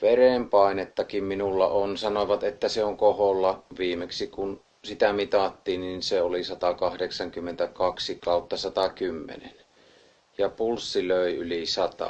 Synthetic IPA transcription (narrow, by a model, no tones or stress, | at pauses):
ʋerempɑˑenet̪ːɑkimminulːɑ̰onsɑnoʋɑt̪et̪ːæseoŋkoholːɑʋiːmeksikun | sit̪æmit̪ɑt̪ːiːnninseolisɑt̪ɑkɑhdeksɑŋkymːent̪ækɑksikɑˑut̪ːɑsɑt̪ɑkymːḛnen | jɑpulsːiløˑiylisɑt̪ɑ̰